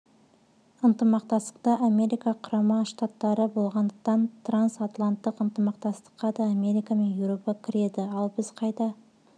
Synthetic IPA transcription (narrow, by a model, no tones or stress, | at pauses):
ənt̪əmɑqt̪ɑst̪ə̥q̚t̪ɑʔame̞ɾijkɑqʰʊɾɑmɑʃt̪at̪ːɑɾəbo̞lˠʁɑnd̪əq̚t̪ɑnt̪ransat̪lˠant̪ːəqənt̪əmɑq̚t̪ɑst̪ə̥qːɑd̪ɑːmʲe̞ɾijkame̞njɪwɾo̞pɑkʲʰɪɾe̞d̪ɪɑlˠbɪzqʰɑjd̪ɑ